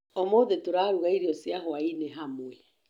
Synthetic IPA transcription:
ɔmoðetoɾaːɾuɣaiɾiɔsjaɦɔainɛɦamwɛ

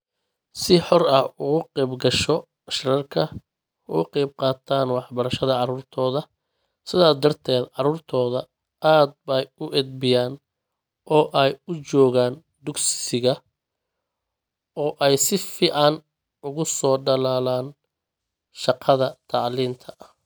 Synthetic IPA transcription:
sɪħɔrɐhʊɣʊqɛjbɡɐʃɔ | ɐʃrɐrkʰɐ | ɣʊ̰qɛjb̚qɑːt̪ʰaːnwɑħbɐɾɐʃɐðɐʕɑɾuːrt̪ʰɔːðɐ | sɪðaːsd̪ɐrt̪ʰɛːd̪ʕɑɾuːrt̪ʰɔːðɐ | aːd̪̚bɐjʊʔɛd̪̚bɪjaːn | ʔɔːʔɛjʊt͡ʃɔːɣaːn | d̪ʊɡsɪsɪɣɐ | ɔːʔɛjsɪfiːʕɑn | ʊɣʊsɔːɖɐlaːlaːn | ʃɑqʰɑðɐt̪ʰɑʕliːnt̪ʰɐʔɐ

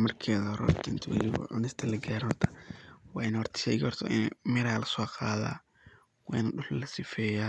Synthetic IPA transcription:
mɐrkʰɛːðɐɾɔ̰rt̪ʰɪnt̪ʰwɐ̰lɪβɐ̰ʕʊ̰nɪst̪ʰɐlɐɡaːɾhɔrt̪ʰɐ̥wɑːɪnhɔrt̪ʰɐ̥ʃɛ̰ːjɡihɔrt̪ʰɔ̰ʔɪnmɪɾaːlɐsɔːqaːða̰ː | wɑːɪnɐɗʊħlɐsɪfɛːjaː

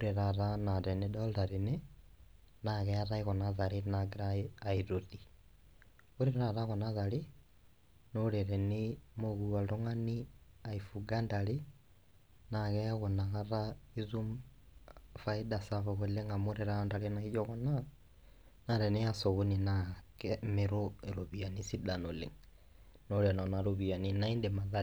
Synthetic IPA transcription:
oɾeɾaɾanaɾɛnedɔldaɾene | naɣɛaɾaiɣɔnaðaɾinaɡeɾaaiɾoði | uɾeɾaɾaɣɔnaðali | noɾeɾɛnimoɣuadoŋaniaifuɡandali | naɣɛjaɣɔnaɣaɾaizum | faidasavɔɣɔleŋamoɾɛɾandaɾenaid͡ʒɔɣɔna | naɾɛniasɔɣoninakɛmeɾoeɾoβianisidanolḛŋ | nɔɾɛnɔnaɾoβianinaindɛmaða

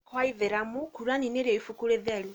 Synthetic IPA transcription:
kwaiðeɾamukuɾuanineɾeifukuɾeðɛɾu

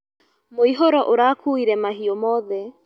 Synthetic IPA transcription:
moiɦoɾɔʔoɾaːkʰuiɾɛmaɦiomɔðɛ

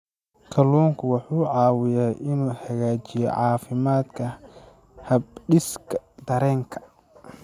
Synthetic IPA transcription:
kʰɐluːŋkʰʊwɑħuːʕɑːwɪjɛjʔɪnuːhɐɣaːt͡ʃɪjɛ̰ʕɑːfɪmaːd̪kʰɐ | hɐbɖɪskʰɐd̪ɐɾɛːŋkʰɐ̥

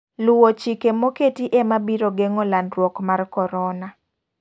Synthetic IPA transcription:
lʊwot͡ʃikemoketiʔemabiɾoɡeŋɔlanrwɔkmarkɔɾɔna

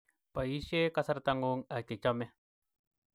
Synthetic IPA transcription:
paiʃekasaɾt̪aŋuŋat̪et͡ʃame

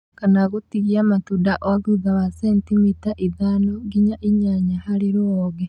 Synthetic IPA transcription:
kanaɣotiɣiamatudaʔoaɣuðawasentimitaʔiðanoɡiɲaʔiɲaɲahaɾiɾoɔɣɛ

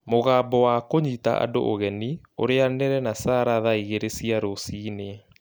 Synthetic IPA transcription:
moɣaːbɔwakoɲita̰ʔa̰do̰ʔoɣɛni | o̰ɾeanɛɾɛnasaːɾaðaiɣeɾesiaɾosiːne

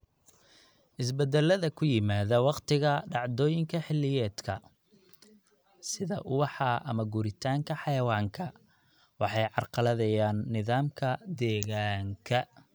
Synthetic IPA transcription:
ʔɪs̬bɛd̪ɛlːɐðɐkʰʊjɪmaːðɐwɑqt̪ʰɪɣɐɖɑʕd̪ɔːjɪŋkʰɐħɪlːɪjɛːd̪kʰɐ | sɪðɐ̰ʔʊwɑħɑʔɐmɐɡuːɾɪt̪ʰaːŋkʰɐħɑjɐwɑːŋkʰɐ | wɑħɑjʕɑrqɑlɐðɐjaːnːɪðaːmkʰɐd̪ɛːɣaːŋkʰɐ

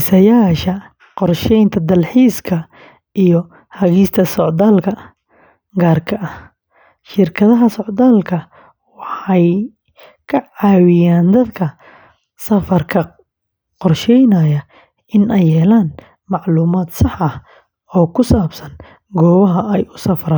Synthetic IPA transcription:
sɐjaːʃɐ | qɔrʃɛjnt̪ʰɐd̪ɐlħiːskʰɐ | ʔijɞ | hɐɣiːst̪ʰɐsɔʕd̪aːlkʰɐ | ɡaːrkʰɐʔɐh | ʃɪrkʰɐðɐɦɐsɔʕðaːlkʰɐ | wɑħɑj | kʰɐʕɑːwɪjaːnd̪ɐd̪kʰɐ | sɐfɐrkʰɐ | qɔrʃɛjnɐjɐ | ɪnʔɛjːɛːlaːn | mɑʕluːmaːd̪sɑħɐh | ɔːkʰʊsaːbsɐn | ɡɔːwɐɦɐʔɛjʊsɐfɾaː

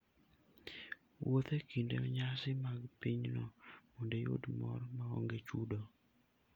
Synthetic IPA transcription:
wʔot̪ekindeɲasɪmaɡpiɲnɔmondejo̰dmɔrmaɔ̰ŋɡet͡ʃudo

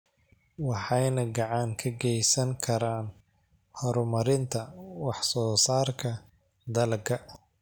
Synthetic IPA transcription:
wɑħɑjnɐɡɑʕɑŋkʰɐɡɛjsɐŋkʰɐɾaːn | hɔɾmɐɾɪnt̪ʰɐwɑħsɔːsaːrkʰɐ | d̪ɐlɡʰɐ

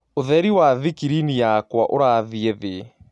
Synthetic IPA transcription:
oðɛɾiwaðikiɾinijakwaʔoɾaðiɛðe

